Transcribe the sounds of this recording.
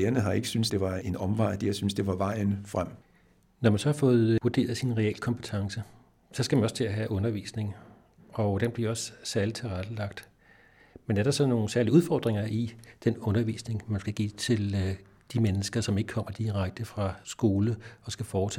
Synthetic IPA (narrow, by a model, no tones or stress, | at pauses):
eːɐnəɦɑ̈e̝ɡ̥ə̥synsd̥e̝ʋɑ̈e̝nɒ̽mʋɑ̈ɪ̰d̥eɐsynsd̥e̝ʋɑ̈ʋɑ̈ɪ̰n̩fʁam̰ | nɒmænsɒ̽hɑ̈fɔ̽ːð̩ˠʋuɐd̥e̝̰ːɐð̩ˠsinʁɛel̰kʰɒ̽mpʰət͡sʰɑ̈ŋsə | sɒ̽sɡ̥æmænɒ̽st͡sʰe̝læɦæʔɔ̽nɐʋḭːsne̝ŋ | ɒ̽d̥enb̥liɐɒ̽ssæɐlit͡sʰe̝lʁad̥əlɑ̈ɡ̥̚d̥ | menæɐɾ̥ɑ̈sɒ̽no̝ːn̩sæɐliuð̞ˠfɒ̰ːd̥ʁeŋɐʔid̥enɔ̽nɐʋḭːsne̝ŋmænsɡ̥æɡ̥ḭt͡sʰe̝l | d̥imenəsɡ̥ɐsɒ̽me̝ɡ̥kʰɒ̽m̰ɐd̥iʁäɡ̥̚d̥əfʁɑ̈sɡ̥o̝ːləɒ̽sɡ̥æfɒːt͡sʰɛ